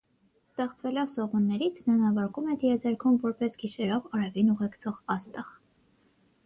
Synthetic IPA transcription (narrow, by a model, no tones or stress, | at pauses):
st̪ɛχt͡sʰvɛlɔvsɔʁunːɛɾit͡sʰnɑnɑvɑɾkumɛd̪iɛd͡zɛɾkʰumvɔɾpɛsɡiʃɛɾɔvɑɾɛvinuʁɛkt͡sʰɔʁɑst̪ɑʁ